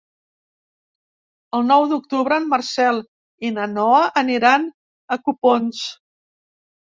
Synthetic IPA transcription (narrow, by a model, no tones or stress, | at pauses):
əlˠnɔwðuk̚t̪uβɾəːmːərsɛlˠ | inənɔəʔːniɾan | əkupons